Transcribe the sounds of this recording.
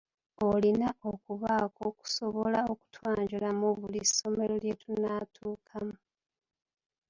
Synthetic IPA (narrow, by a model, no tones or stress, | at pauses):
olinaokuβaːko̞ku̥so̞βolao̞ku̥twaːɲɟulamuβuliso̞me̞lo̞lje̞tunatʰuːkʰamu